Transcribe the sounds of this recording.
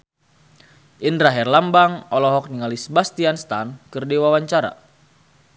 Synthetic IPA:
ʔindɾaɦɛrlambaŋɔlɔɦɔk̚niŋalisəbast̪ianst̪ankɨrdiwawaɲt͡ʃaɾa̰

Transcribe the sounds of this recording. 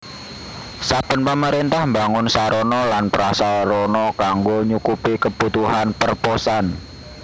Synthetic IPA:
sab̥ə̤npəməɾint̪ahmbaŋʊnsaɾonɔlanpəɾasalrɔnɔkaŋɡoɲukupikəb̥ut̪uɦanpərposan

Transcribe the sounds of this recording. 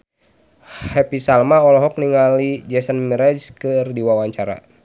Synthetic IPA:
hɛpisalmaɔlɔɦɔk̚niŋalid͡ʒɛsənmɛɾɛd͡ʒkɨrdiwawaɲt͡ʃaɾa̰

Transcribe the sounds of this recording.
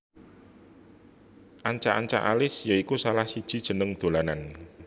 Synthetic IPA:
ʔaɲt͡ʃaʔaɲt͡ʃa̰ʔa̰lɪsjaikusalahsid̥ʒ̥i̤d̥ʒ̥ə̤nəŋd̪̥o̤lanan

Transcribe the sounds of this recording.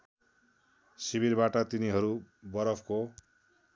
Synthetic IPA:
siβirbaʈʌt̪iniɦʌɾu | bʌɾʌpʰko

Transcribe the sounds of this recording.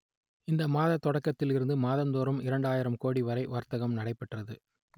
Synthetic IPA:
ɪnd̪ɐmaːðɐt̪ːɔɽɐkːɐt̪ːɪlɪɾɯnd̪ɯmaːðɐnd̪oːɾɯmɪɾɐɳɖaːjɪɾɐmkoːɽiʋɐɾɐɪʋɐɾt̪ɐɣɐmnɐɽɐɪpːɛʈrɐðɯ

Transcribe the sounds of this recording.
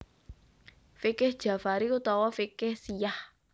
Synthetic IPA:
fikɪhd̥ʒ̥a̤faɾiut̪ɔwɔfikɪhsijah

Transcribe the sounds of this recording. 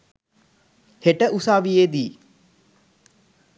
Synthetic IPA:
heʈəʔusaːʋijeːd̪iː

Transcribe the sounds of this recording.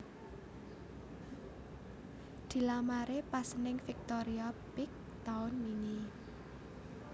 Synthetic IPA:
d̪̥i̤lamaɾepasənɪŋfik̚t̪oɾiab̥ɪk̚ | t̪aʊnmini

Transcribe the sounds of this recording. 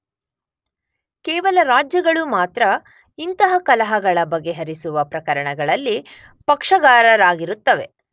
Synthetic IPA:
kɛːʋɐlɐɾaːd͡ʒjɐɡɐɭumaːt̪ɾɐ | int̪ɐɦɐkɐlɐɦɐɡɐɭɐbɐɡːe̞ɦɐɾisuʋɐpɾɐkɐɾɐɳɐɡɐɭɐlːi | pɐkʂɐɡaːɾɐɾaːɡiɾut̪ːɐʋe̞

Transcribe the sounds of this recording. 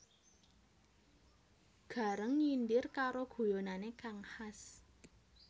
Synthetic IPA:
ɡ̥a̤ɾəŋɲindɪrkaɾoɡ̥o̤jonanekaŋhas

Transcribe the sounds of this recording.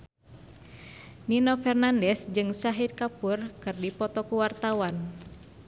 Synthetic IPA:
ninɔfɛrnandɛsd͡ʒɨŋsaɦid̪̚kapurkɨrdipɔt̪ɔkuwart̪awan

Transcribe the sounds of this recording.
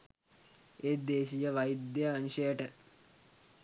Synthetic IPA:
eːd̪eːʃijəʋɐjid̪ːeːnʃəjəʈə

